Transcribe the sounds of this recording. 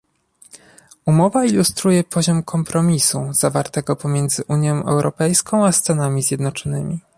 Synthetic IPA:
umɔvailust̪ɾujɛpʰɔʑɔmkʰɔmpɾɔmʲisuz̥avaɾt̪ɛɡɔpɔmʲjɛnd̪zɘʔuɲjɔ̃w̃ʔɛ̰wɾʔɔpɛjskɔ̃w̃ast̪anamʲizʲjɛd̪nɔt͡ʂɔnɘmʲi

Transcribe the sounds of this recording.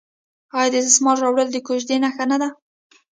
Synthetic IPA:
ɑjɑd̪əɪsɪsmɑlɾɑwɽəld̪əkoʃd̪enaxanad̪a

